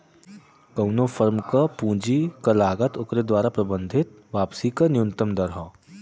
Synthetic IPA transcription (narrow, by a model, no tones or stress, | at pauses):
kɐʊnofʰəɾmkapũːd͡ʒikɐlaːɡət̪ʊkɾed̪waːɾapɾɐbə̃nd̪ʱɪt̪̚ | ʋaːpsikanɪjʊ̃nt̪əmd̪ɐɾɦaː